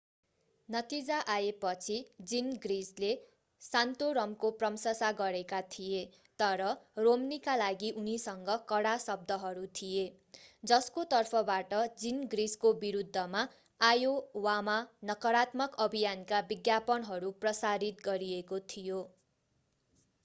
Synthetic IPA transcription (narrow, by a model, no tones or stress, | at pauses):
nʌt̪id͡zaʔajepʌt͡sʰid͡zinɡrisle | sant̪oɾʌmkoprʌmsʌsaɡʌɾekat̪ʰije | t̪ʌɾʌromnikalaɡiʔunisʌŋɡʌkʌɽasʌb̚d̪ʱʌɦʌɾut̪ʰije | d͡zʌskot̪ʌrpʰʌbaʈʌd͡zinɡriskobiɾud̪ʱːʌma | ajowamanʌkʌɾat̪mʌkʌbʱijankabiɡjapʌnɦʌɾuprʌsaɾit̪̚ɡʌɾiekot̪ʰijo